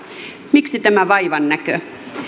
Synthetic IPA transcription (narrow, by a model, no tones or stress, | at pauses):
miksit̪æmæʋɑiʋɑnːækø